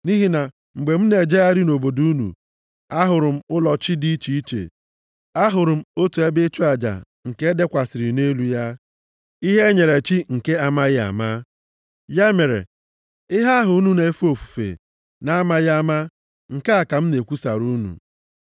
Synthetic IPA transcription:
ni˦ɦi˦na˨ | ŋ͡m̩˨ɡ͡be˨m̩˦ne˨d͡ʒe˦ja˦ɾɪ˦no˨bo˨du˦u˦nṵ˨ | a˦ɦʊ˨ɾʊ˨m̩˦ʊ˦lɔ˨t͡ʃɪ˦di˦i˦t͡ʃi˦i˦t͡ʃḛ˨ | a˦ɦʊ˨ɾʊ˨m̩˦o˦tu˨e˦bɪ˦t͡ʃʊ˦a˨d͡ʒa̰˨ | ŋ̩˨ke˦de˦kʷa˨sɪ˨ɾɪ˨ne˦lu˨ja˦ | i˦ɦe˦ɲe˨ɾe˨t͡ʃi˦ŋ̩˨ke˦a˨ma˦ɣɪ˦a̰˨ma˦ | ja˦me˨ɾḛ˨ | ɪ˦ɦa˦ɦʊ˨˦nu˦ne˨˦fu˦o˨fu̥˨fḛ˨ | na˨a˦ma˦ɣa˦ma˦ | ŋ̩˨ke˦a˨ka˨m̩˦ne˨kʷu˦sa̰˨ɾu˦nṵ˨

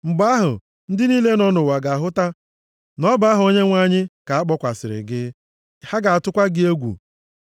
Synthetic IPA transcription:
ŋ͡m̩˨ɡ͡ba˦ɦʊ̰˨ | n̩˦dɪ˦niː˦le˦nɔ˦nʊ˨wa˨ɡa˨a˨ɦʊ˦ta˦ | nɔ˦ba˦ɦʊ˨o˦ɲe˦ŋʷa˦ɲɪ˦ka˨a˦k͡pɔ˦kʷa˨sɪ˨ɾɪ̰˨ɡɪ˦ | ha˦ɡa˨a˨tʊ˦kʷa˦ɡɪ˦e˦ɡʷṵ˨

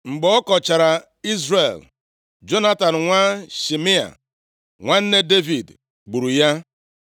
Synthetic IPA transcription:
ŋ͡m̩˨ɡ͡bɔ˨˦ɔ˦kɔ˨t͡ʃa˨ɾa˨ | i˦zɾe˨l | d͡ʒo˦na˦ta˨n̩˨ŋʷa˦ʃi˨mi˦a̰˨ | ŋʷa˦n̩˦ne˦de˦vi˨d | ɡ͡bu˨ɾu˨ja˦

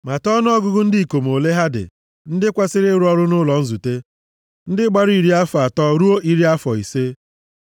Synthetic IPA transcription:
ma˨tɔ˦n˦ɔ˦ɡʊ˦ɡʊ˦n̩˦dɪ˦i˨ko˨m˨o˨le˦ɦa˦dɪ̰˨ | n̩˦dɪ˦kʷa˦sɪ˦ɾɪ˦ɾʊ˦ɔ˦ɾʊ˦nʊ˦lɔ˨n̩˦zu˨te˦ | n̩˦dɪ˦ɡ͡ba˦ɾʊ˦i˨ɾi˦a˦fɔ˨a˨tɔ˦ɾu˦o˦ʔi˦ɾi˦a˦fɔ˨i˨se˦

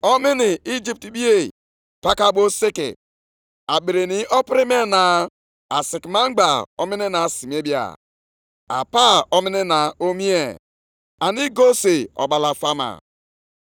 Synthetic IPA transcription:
ɔ˦mɪ˦ni˨i˦d͡ʒi˦p̚ti˨bi˦e˨ | pa˦ka˦bo˦si˦kḭ˨ | a˨ɓe˨ɾe˨ni˨ɔ˦pɾi˦me˦na˨ | a˨si˨kma˦ŋ͡m̩˦ɡ͡ba˨ɔ̰˦mi˦ni˦na˨si˨m˨e˦bja̰˨ | a̰˨pa˦ɔ˦mi˦ni˦na˨o˦mi˦e˨ | a˨ni˦ɡo˦se˨ɔ̰˨ɓa˨la˨fa˦ma̰˨

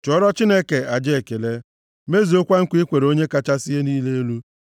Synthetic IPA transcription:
t͡ʃɔ˨˦ɾɔ˦t͡ʃi˦ne˦ke˨a˨d͡ʒe˦˨ke˨le˦ | me˦zi˨o˦kʷa˦ŋ̩˦kʷi˦kʷe˨ɾo˦ɲe˦ka˨t͡ʃa˦si˦je˦niː˦le˦e˦lu˦

